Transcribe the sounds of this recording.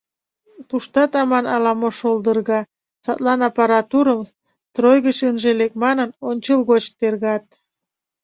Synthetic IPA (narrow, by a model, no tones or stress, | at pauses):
t̪uʃt̪ɑt̪ɑmɑnɑlɑmoʃolˠd̪ərɣɑ | sɑt̪lɑnɑpɑɾɑt̪uɾəm | t̪rojɣət͡ɕənʒelek̚mɑnənonʲt͡ɕəlɣot͡ɕt̪erɣɑt̪̚